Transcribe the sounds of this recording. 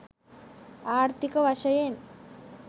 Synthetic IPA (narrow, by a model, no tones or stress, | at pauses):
aːɾt̪ikɐʋaʃɐjen